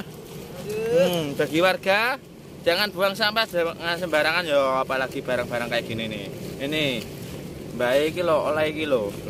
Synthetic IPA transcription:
m̩b̥a̤ɡiwarɡ̥ḁ | d͡ʒ̥aŋanb̥ṳaŋsampaŋansəmbaɾaŋanjɔapalaɡ̥ib̥a̤ɾaŋb̥a̤ɾaŋkajaɡ̥i̤niniini | mbaiikilɔo̰laikilo

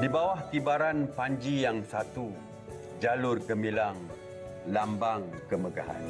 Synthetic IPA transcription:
dibawahkibaɾanpaɲd͡ʒijaŋsat̪u | d͡ʒalʊrɡəmilaŋ | lambaŋkəməɡa̰ɦa̰n

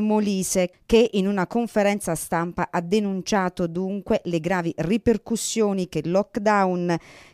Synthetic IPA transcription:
moliːsekeʔinunakoɱfeɾɛnt̪sast̪ampaʔad̪ːenunt͡ʃaːt̪od̪uŋkweleɡɾaːviriperkusːjoːnik̟elɔkːd̪awn

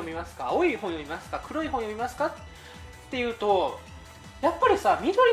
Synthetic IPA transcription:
omʲimasɨ̥kaoːiːhõɰ̃jo̞mʲimasɨ̥kakʰɯ̟ɾoihõɰ̃jo̞mʲimasɨ̥kat̪ː | e̞jɯ̟ːt̪o̞ | japːaɾʲisamʲid̪o̞ɾʲi

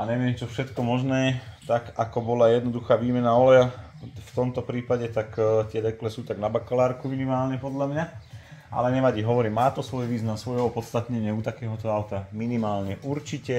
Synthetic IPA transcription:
aɲɛʋɪɛmt͡ʃɔfʃɛt̪kɔmɔʒnɛːt̪akakɔbɔlajɛd̪nɔd̪uxaːʋiːmɛnaɔlɛja | ft̪ɔmt̪ɔpɾiːpaɟɛt̪akt̪ɪɛd̪ɛklɛsuːt̪aɡnabakɔlaːɾkuminimaːlɲɛpɔd̪lʎamɲa | a̰lɛɲɛʋaɟiɦɔʋɔɾimaːt̪ɔsʋɔjʋiːznamsʋɔjʋɔpɔt̪st̪at̪ɲɛɲɪɛut̪akɛːɦɔt̪ɔaʊt̪aminimaːlɲɛʔuɾt͡ʃicɛ

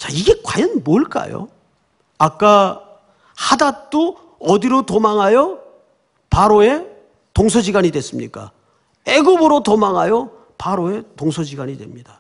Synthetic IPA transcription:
t͡ɕaiɡe̞kwajʌnmoɭk͈a̰jo̰ | ak͈a | hadat͈o | ʌdiɾotomaŋɦajʌ | paɾoe̞ | toŋsʰʌd͡ʑiɡaɲidwe̞s͈ɯmɲik͈a̰ | eɡubɯɾotomaŋɦajʌ | paɾoe̞toŋsʰʌd͡ʑiɡaɲidwe̞̰mɲida

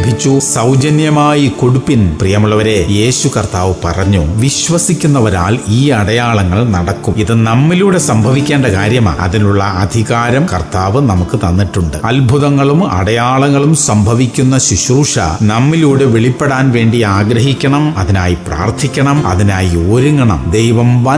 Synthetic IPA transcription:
bʱit͡ɕːusɐwd͡ʑɐnjɐmaːjiko̞ɽupːinprijɐmuɭːɐʋɐɾe̞je̞ːɕukɐrt̪aːʋɨpɐ̰rɐɲːuʋiɕʋɐsikʲːun̪ːɐʋɐɾa̰ːliːɐɽɐjaːɭɐŋːɐɭnɐɽɐkːumiðɨnɐmːiluːɽe̞sɐmbʱɐʋikʲːeːɳɖɐkaːɾjɐma̰ːɐ̰ðinuɭːɐɐd̪ʱiɣaːɾɐmkɐrt̪aːʋɨnɐmukːɨt̪ɐnːiʈːuɳɖɨɐlbʱuðɐŋːɐɭumɐ̰ɽɐjaːɭɐŋːɐɭumsɐmbʱɐʋikʲːunːɐɕiɕruːʂɐ̰nɐmːiluːɽe̞ʋiɭipːe̞ɽaːnʋe̞ːɳɖiaːɡɾɐɦikʲːɐɳɐmɐðinaːjipra̰ːrt̪ʰːikʲːɐɳɐmɐ̰ðinaːjioːɾiŋɡɐɳɐ̰md̪ejʋɐmʋaː

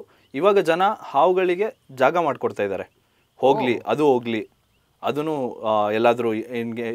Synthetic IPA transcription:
iːʋaːɡɐd͡ʒɐnɐhaːʋuɡɐɭiɡe̞d͡ʒaːɡɐmaːɖkoɽt̪aːjid̪a̰ːɾe̞ | ho̞ːɡliɐ̰d̪uɦoːɡli | ɐd̪ɐnːuɛlːaːd̪ɐɾuinɡe

